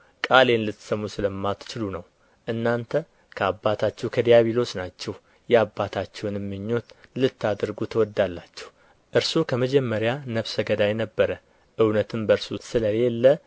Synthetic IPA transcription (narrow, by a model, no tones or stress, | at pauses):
kʼale̞nlɨt̪ːsəmːusɨləmːat̪t͡ʃɪlunəw | ʔɨnːant̪ʰə | kʰəabːat̪ʰat͡ʃːɛwkʰəd̪ijaβilo̞snat͡ʃːɛw | jɛabːat̪ʰat͡ʃːɛwnɪmːɨɲːo̞t̪lɨt̪ːad̪ɨɾɡut̪ʰəwɔd̪ːalːat͡ʃːɛ̥w | ʔɨɾsukʰəməd͡ʒɛmːəɾjanəβsəɡəd̪ajnəbːəɾə | ʔɨwnət̪ʰɨmbəɾsusɨləjelːə